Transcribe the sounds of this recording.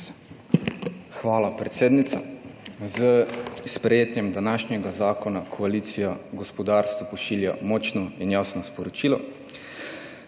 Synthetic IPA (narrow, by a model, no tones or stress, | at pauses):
xʋaːlapɾɛt̪seːd̪nit̪sa̰zəspɾɛjeːt̪jɛmd̪anaːʃnjɛɡazaːkɔnakʰɔaliːt̪sijaɡɔspɔd̪aːɾst̪ʋɔpɔʃiːlja̰mɔːt͡ʃnɔinjaːsnɔspɔɾɔt͡ʃiːlɔ